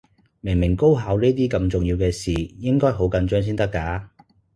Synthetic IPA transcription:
mɪ˨˩ŋmɪ˨˩ŋko˥wɦaː˨˧wniː˥t̪̬iː˥kɐ˧mt͡ʃʊ˨˩ŋjiː˧wkɛː˧siː˨˩jɪ˥ŋkɔː˥jɦo˨˥wkɐ˨˧nt͡ʃœː˥ŋs̬iː˥nt̪ɐ˥kːaː˨˧˥

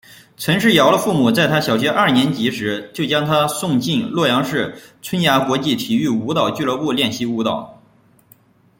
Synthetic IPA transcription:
t͡sʰɤ˧˥ŋʂ̬ɻ̩˥˩jɑ˧˥ʊlə˧fu˥˩mu˨˩t͡sa˥˩ɪt̪ʰa˥ɕjɑ˨˩ʊɕ̬ɥɛ˧˥ʔɐ˞˥˩njɛ˧˥nt͡ɕi˧˥ʂɻ̩˧˥t͡ɕjo˥˩ʊt͡ɕjɑ˥ŋt̪ʰa˥sʊ˥˧ŋt͡ɕi˥˩nlwɔ˥˩jɑ˧˥ŋʂɻ̩˥˩t͡sʰə˥nja˧˥kwɔ˧˥t͡ɕi˥˩t̪ʰi˨˩y˥˩u˧˥t̪ɑ˨˩ʊt͡ɕy˥˩˧lə˧˥pu˥˧ljɛ˥˩nɕi˧˥u˧˥t̪ɑ˨˩ʊ

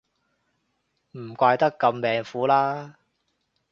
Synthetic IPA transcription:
m̩˨˩kʷaː˧jt̪ɐ˥kːɐ˧mːɛː˨ŋfuː˨˥laː˥

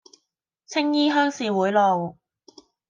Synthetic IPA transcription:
t͡sʰɪ˥ŋjiː˥ɦœː˥ŋsiː˨wuː˨˥jlɔ˨w

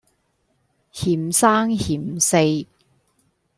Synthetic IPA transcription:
hiː˨˩msaː˥ŋhiː˨˩mse˧j

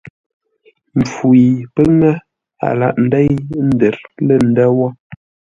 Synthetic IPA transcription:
m̩˨fu˨i˨pə˦ŋə˦ | a̰˨la̰˨ʔn̩˨dɛ˦jjn̩˦də˨ɾlə˦˨n̩˨də˦wɔ˦

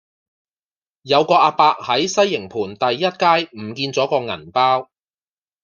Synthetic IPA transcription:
jɐ˨˧wkɔː˧ʔaː˧paː˧k̚hɐ˨˥jsɐ˥jːɪ˨˩ŋpʰuː˨˩nt̪ɐ˨jːɐ˥t̚kaː˥jm̩˨˩kiː˧nt͡sɔː˨˥kɔː˧ŋɐ̰˨˩npaː˥w

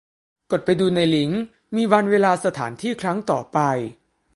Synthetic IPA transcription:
ko˨˩t̪̚pa˧jduː˧na˧jli˩˦ŋ | miː˧wa˧nweː˧laː˧sa˧t̪ʰaː˩˦nt̪ʰiː˥˩kʰɾa˦˥ŋt̪ɔː˨˩pa˧j

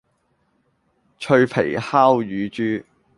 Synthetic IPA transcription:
t͡ʃʰɵ˧ɥpʰe˨˩jhaː˥wjyː˨˧t͡ʃyː˥

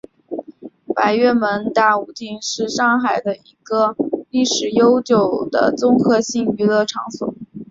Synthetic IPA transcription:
pa˧˥˩ɪɥɛ˥˩mə˧˥nt̪a˥˩u˨˩t̪i˥˧ŋʂɻ̩˥˧ʂɑ˥˧ŋxa˨˩ɪd̪ə˦i˧˥ɡə˧li˥˩ʂɻ̩˨˩jo˥ʊt͡ɕjo˨˩ʊd̪ə̰˦t͡sʊ˥ŋkʰɤ˥˧ɕi˥˩ŋy˧˥lɤ˥˩ʈ͡ʂʰɑ˧˥ŋsʊ̰˨˩˦ŋ

